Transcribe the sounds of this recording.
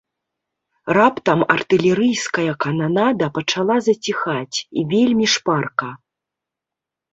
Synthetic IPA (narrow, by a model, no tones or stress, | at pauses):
rapt̪ɐmɐ̰rt̪ɨlʲɛɾɨjskɐjɐkananad̪ɐpɐt͡ʂalˠazɐt͡sʲixat͡sʲḭvʲelʲmʲiʂparkɐ